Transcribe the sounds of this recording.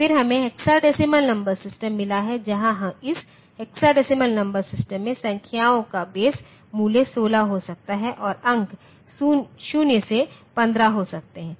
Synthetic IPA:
fɪɾɦɐmẽɦeksaɖɪsɪmənnɐ̃mbəɾsɪsʈə̃mːɪlaɦɛd͡ʒɐɦãɦɐ̃mɪs | ɦeksaɖɪsɪməlnɐ̃mbəɾsɪsʈə̃mːẽsɐ̃ŋkʰjaːõkabeːs | muːlesoːlaɦosɐk̚t̪aɦɛʔɔːɾɐ̃ŋk | uʃunjəsepɐ̃nd̪ɾaɦosɐk̚t̪eɦɛ̃ː

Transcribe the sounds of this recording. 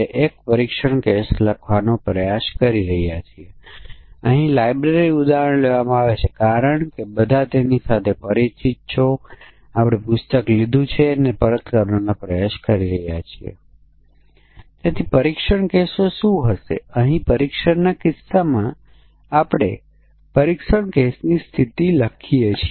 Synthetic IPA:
eʔek̚pəɾikʃəɳkesləkʰʋanopɾəjaʃkəɾiɾəɦjat͡ʃʰie | əɦĩlajbɾeɾiud̪aɾəɳ̃leʋamãaʋet͡ʃʰekaɾəɳkebəd̪ʱat̪enisat̪ʰepəɾit͡ʃit̪̚t͡ʃʰo | apɽ̃epʊst̪əklid̪ʱũt͡ʃʰenepəɾət̪kəɾnonapɾəjaʃkəɾiɾəɦjat͡ʃʰiḛ | t̪at̪ʰipəɾikʂəɳkesoʃũɦəʃḛəɦĩpəɾikʃəɳnakɪsːamã | apɽ̃e | pəɾikʃəɳkesnist̪ʰit̪iləkʰijet͡ʃʰi

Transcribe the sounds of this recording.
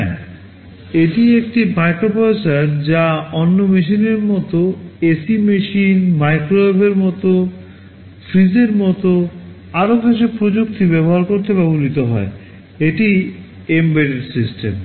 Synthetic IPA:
eʈiek̚ʈimajkɾopajt͡ɕaɾd͡ʑaɔnːomeʃ̬ineɾmɔt̪oesimeʃinmajkɾobeɾmɔt̪o | fɾid͡ʑeɾmɔt̪o | aɾobeʃ̬epɾod͡ʑuk̚t̪ibɛβoɦaɾkoɾt̪ebabulit̪oɦɔ̰e | eʈi | embeɾeɖsisʈḛm

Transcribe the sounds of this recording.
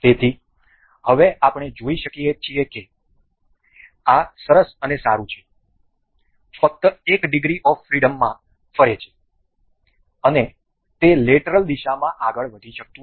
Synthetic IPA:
t̪et̪ʰi | həʋeʔapɽ̃ed͡ʒoiʃəkiet͡ʃʰieke | asəɾəsənesaɾũt͡ʃʰe̥ | fək̚t̪əekɖɪɡɾiʔɔʋfɾiɽəmːã | fəɾet͡ʃʰe̥ | əne | t̪eleʈəɾəld̪iʃamãʔaɡəɭʋəd̪ʱiʃək̚t̪ũ

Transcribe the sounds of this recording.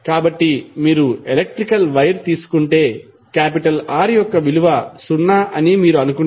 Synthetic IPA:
kaːbɐʈːimiːɾuelek̚ʈɾikɐlʋɐjɾt̪iːsu̥kuɳʈe̞ː | kaːpiʈɐlaːɾijɔkːɐʋiluʋɐsunːaʔɐnimiːɾuɐnukuɳ

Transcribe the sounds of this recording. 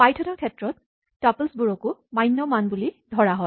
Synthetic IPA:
pajtʰɔnɔkʰɛtɹɔt̪̚ | taplsbuɹɔkʊmajnːɔmanbulidʱɔɹaɦɔj

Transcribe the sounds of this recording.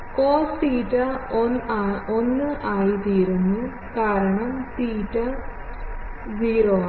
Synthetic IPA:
oːsiːʈːɐonaonːɨʔaːjit̪iːɾunːu | kaːɾɐɳɐmsiːʈːɐ | ziːɾoː

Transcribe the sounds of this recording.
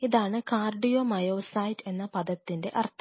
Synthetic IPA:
iðaːɳɨkaːrɖijoːmɐjoːsɐːjde̞nːɐpɐðɐt̪ːinde̞̰ʔɐrt̪ʰ

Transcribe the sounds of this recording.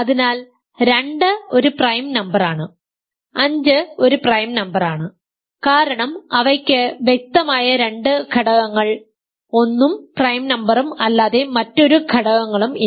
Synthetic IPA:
ɐðinaːl | ɾe̞ɳɖɨo̞ɾuprɐjmnɐmbɐraːɳɨ | ɐɲd͡ʑɨo̞ɾuprɐjmnɐmbɐraːɳɨ | kaːɾɐɳɐmɐʋɐkʲːɨʋjek̚t̪ɐmaːjɐɾe̞ɳɖɨkʰɐɽɐɣɐŋːɐɭ | o̞nːumprɐjmnɐmbɐrumɐlːaːðe̞mɐtːo̞ɾukʰɐɽɐɣɐŋːɐɭumi

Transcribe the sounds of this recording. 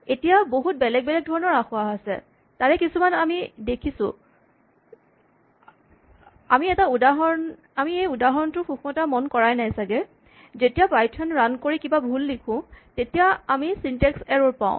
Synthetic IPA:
etijaboɦut̚bɛlɛɡ̚bɛlɛɡ̚dʱɔɹɔnɔɹaxʊaɦasɛ̰ | taɹɛkisumanamidekʰisʊ̰̃ | amiɛtaudaɦɔn | amiejudaɦɔntʊxuxʰmɔtamɔnkɔɹajnajsaɡɛ | zetijapajtʰɔnɹankoɹikibabʱulːikʰʊ̃tetijaamisintɛksɛɹɔɹpã̰ʊ̃

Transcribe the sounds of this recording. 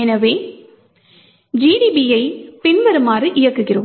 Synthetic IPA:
ɛnɐʋeː | d͡ʒiːɖibijɐɪpɪnʋɐɾɯmaːɾɯʔɪjɐkːɯɣɪɾɯ

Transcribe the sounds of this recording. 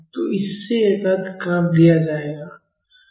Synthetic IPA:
t̪oɪsːet̪aːd̪kaːmlijad͡ʒaːeɡaː

